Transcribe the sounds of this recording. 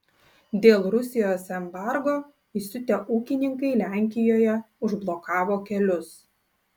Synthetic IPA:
d̪ʲeːlˠɾʊsʲɪjoːsɛmbɑˑɾɡoː | isʲʊt̪ʲɛʔuːkʲɪnʲɪŋkɐɪlʲæːˑŋʲkʲɪjoːjɛ | ʊʒblˠokɑːʋoːkʲɛlʲʊs

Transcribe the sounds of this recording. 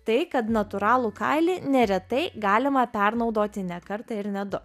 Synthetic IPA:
t̪ɐɪkɐt̪nɐt̪ʊɾɑːlˠukɐ̰ɪlʲiːnʲɛɾʲɛt̪ɐɪɡɑːlʲɪmɐpʲɛɾnɒʊd̪oːt̪ʲɪnʲɛkɐɾt̪ɐɪɾnʲɛd̪ʊ

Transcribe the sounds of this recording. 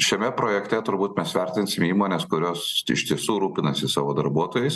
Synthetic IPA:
ʃʲɛmʲɛpɾoːjɛkt̪ʲɛt̪ʊɾbuːt̪mʲɛsʋʲɛɾʲt̪ʲɪnʲsʲɪmiːmoːnʲeːskʊɾʲoːsɪ̰ʃt̪ʲiɛsuːɾuːpʲɪnɐsʲɪsɑ̰ːʋoːd̪ɐɾbuɔt̪oːjɛɪs

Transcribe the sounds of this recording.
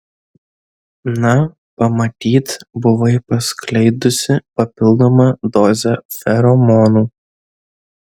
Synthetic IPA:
nɐ | pɐmɐt̪ʲiːt̪bʊʋɐɪpɐsklʲɐɪd̪ʊsʲɪpɐpʲɪlˠd̪oːmɐd̪ɔːzʲɛfʲɛɾɔmɔːnuː

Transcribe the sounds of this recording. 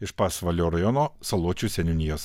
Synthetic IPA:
ɪʃpɑsʋɐlʲoːɾɐjɔnoːsɐlˠuɔt͡ʃʲuːsʲɛnʲʊnʲɪjoːs

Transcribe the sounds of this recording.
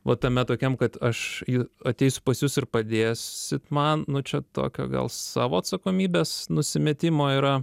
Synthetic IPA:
ʋɐt̪ɐmʲɛt̪oːkʲɛmkɐt̪ɐʃjɪɐt̪ʲɛɪsʲʊ̥pɐsjʊsɪrpɐd̪ʲeːssʲɪt̪mɐnnʊt͡ʃʲɛt̪o̰ːkʲo̰ːɡɐ̰lˠsɑːʋoːɐt̪sɐkoːmʲiːbʲeːsnʊsʲɪmʲet̪ʲɪmoːiːɾɐ

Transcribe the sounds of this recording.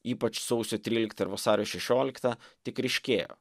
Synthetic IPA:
iːpɐt͡ʃsɒʊsʲoːt̪ʲɾʲiːlʲɪkt̪ɐɪɾʋɐsɑːɾʲoːʃʲɛʃʲoːlʲɪkt̪ɑt̪ʲɪkɾʲɛɪʃʲkʲeːjo̰ː

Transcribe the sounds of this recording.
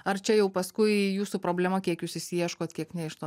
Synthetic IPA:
ɐrt͡ʃʲɛjɛʊpɐskʊɪjuːsuːpɾoːbʲlʲɛmɐkʲiɛkjuːsɪsʲiɛʃkoːt̪kʲiɛknʲɛɪʃt̪oː

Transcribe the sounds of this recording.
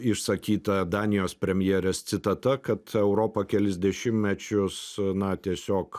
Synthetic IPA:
ɪʃsɐkʲiːt̪ɐd̪ɑːnʲɪjoːspʲɾʲɛmʲjeːɾʲɛst̪sʲɪt̪ɐt̪ɐkɐt̪ɛʊɾoːpɐkʲɛlʲɪzʲd̪ʲɛʃʲɪmmʲɛt͡ʃʲʊsnɐt̪ʲiɛsʲoːk

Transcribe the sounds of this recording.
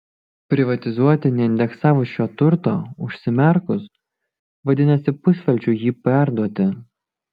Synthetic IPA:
pʲɾʲɪʋɐt̪ʲɪzuɔt̪ʲɪnʲɛɪnʲd̪ʲɛksɑːʋʊʃʲoːt̪ʊɾt̪oːʊʃʲsʲɪmʲɛɾkʊs | ʋɐd̪ʲɪnɐsʲɪpʊsʲʋʲɛlʲt͡ʃʲujiːpʲæˑɾd̪uɔt̪ʲɪ

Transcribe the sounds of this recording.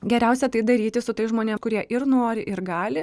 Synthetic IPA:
ɡʲɛɾʲæʊsʲɛt̪ɐɪd̪ɐɾʲiːt̪ʲɪsʊt̪ɐɪsʒmoːnʲeːmkʊɾʲiɛʔɪrnoːɾʲɪʔɪɾɡɑːlʲɪ

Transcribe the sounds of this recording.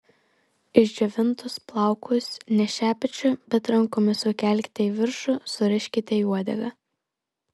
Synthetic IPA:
ɪʒʲd͡ʒʲɛʋʲɪnˑt̪ʊsplˠɑˑʊkʰʊsʲnʲɛʃʲæːpʲɛt͡ʃʲʊbʲɛt̪ɾɐŋˑkoːmʲɪsʊkʲɛˑlʲkʲt̪ʲɛiʋʲɪɾʃʊsʊɾʲɪʃʲkʲɪt̪ʲɛuɔd̪ʲɛ̰ɡɐ

